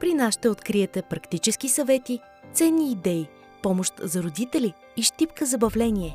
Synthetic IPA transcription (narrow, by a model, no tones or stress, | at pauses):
pɾinasʃt̪ɛot̪kɾiɛt̪ɛpɾɐkt̪it͡ʃɛskisɐvɛt̪i | t̪sɛnːiːd̪ɛi | pɔmoʃt̪zɐɾod̪it̪ɛliː | ʃt̪ipkəzɐbɐvlɛnʲiɛ